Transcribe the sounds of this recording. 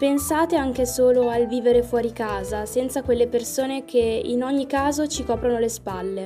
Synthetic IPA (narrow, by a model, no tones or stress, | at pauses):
pensaːt̪eaŋk̟esoːloalviːveɾefwɔːɾikaːzasɛnt̪sakwelːepersoːnek̟ʰeinɔɲːikaːzot͡ʃikɔːpɾonolespalːe